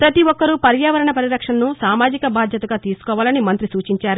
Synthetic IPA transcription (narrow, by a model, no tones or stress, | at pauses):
pɾɐt̪iʋɔkːɐɾupɐɾjaːʋɐɾɐɳɐpɐɾiɾɐkʂɐnnusaːmaːd͡ʒikɐbaːd̪ʱjɐt̪ɐɡaːt̪iːsu̥kɔːʋaːlɐnimɐnt̪ɾisuːt͡ʃiɲt͡ʃaːɾu